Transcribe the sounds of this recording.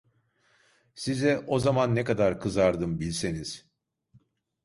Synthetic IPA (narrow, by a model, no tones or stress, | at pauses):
sizɛʔo̞zamanːɛkad̪aɾkʰɯzaɾd̪ɯmbilʲse̞niz̥